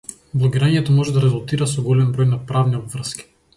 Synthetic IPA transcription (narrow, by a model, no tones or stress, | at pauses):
blˠɔɡʲiɾaɲɛt̪ɔmɔʒɛd̪aɾɛzulˠt̪iɾasɔɡɔlɛmbɾɔjnapɾavniɔbvr̩skʲi̥